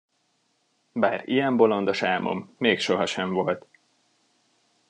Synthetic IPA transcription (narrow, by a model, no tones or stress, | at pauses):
baːɾḭjɛmbo̞lo̞nd̪ɒʃaːmo̰mːeːkʃo̞ɦɒʃɛɱvo̞lt̪